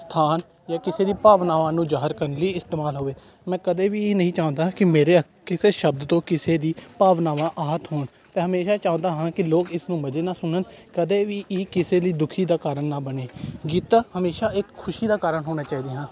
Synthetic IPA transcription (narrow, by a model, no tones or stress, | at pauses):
st̪ʰaːn | jaːkɪseːd̪iːpaːʋnaːʋãːnũːzaːɦəɾkəɾənləiːɪst̪eːmaːlɦoːeː | mɛ̃ːkəd̪eːʋiːnəɦĩːt͡ʃaːʊ̃nd̪aːkɪmeːɾeːə | kɪseːʃəb̚d̪t̪õːkɪseːd̪iːpaːʋnaːʋãːʔaːɦət̪ɦoːɳ | t̪ẽːɦəmeːʃaːt͡ʃaːõnd̪aːɦãːkɪloːkɪsnũːməd͡ʒeːnaːsʊnənkəd̪eːʋiːʔɪkɪseːliːd̪ʊkʰiːd̪aːkaːɾəɳːaːbəneːɡiːt̪aːhəmeːʃaːɪkʰːʊʃiːd̪aːkaːɾəɳɦoːnaːt͡ʃaːiːd̪eːɦə̃ː